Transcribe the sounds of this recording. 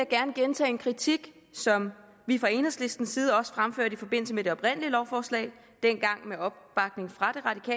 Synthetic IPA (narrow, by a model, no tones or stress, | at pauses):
jæɡ̥æɐnəɡ̥ent͡sʰɛ̰ːenkʰʁit͡sʰiɡ̥ | sɒ̽m | ʋifʁɑ̈e̝ːnɐsle̝sd̥n̩siːð̞ˠɒ̽sfʁamfø̰ɐ̰d̥ifɒ̽b̥e̝n̰l̩səmed̥e̝ɒ̽b̥ʁen̰əliəlɒʊfɒːslɛ̰ːɪ | d̥en̰ɡ̥ɑ̈ŋ̰meɒ̽b̥b̥ɑ̈ɡ̥ne̝ŋfʁɑ̈d̥e̝ʁɑ̈dikʰɛ̰ː